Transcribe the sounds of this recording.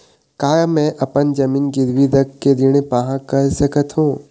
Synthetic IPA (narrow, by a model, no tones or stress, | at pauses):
kaːjmɛ̃ʔɐpənd͡ʒɐmiːnɡɪɾʋiɾɐkːed̪ɪɽ̃epaɦãkɐɾsɐkət̪ɦũː